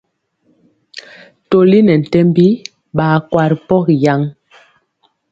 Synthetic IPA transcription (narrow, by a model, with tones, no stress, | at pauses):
to˨li˦nɛ˨n̩˨tɛ˦mbi˦ | ɓaː˨kwa˨ɾi˨pɔ˦kja˦ŋ